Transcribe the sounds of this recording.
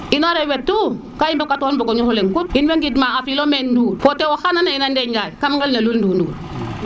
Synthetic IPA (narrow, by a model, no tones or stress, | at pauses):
inoɾewetːu | kajimbakatonboɡoɲuhuleŋkut̚inweŋɡidmaŋafilomendufotewohananainandeɲɟajkamŋɡalnalulndunduɡ